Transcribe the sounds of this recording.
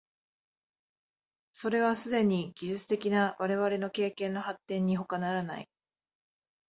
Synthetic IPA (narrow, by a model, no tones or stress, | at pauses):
so̞ɾe̞β̞asɨd̪e̞ɲ̟iɡʲiʑɨt͡sɨ̥t̪e̞kʲinaβaɾe̞βaɾe̞no̞ke̞ːkẽ̞nːo̞hat̪ːẽ̞ɲ̟ːiɦo̞kanaɾana̰ḭ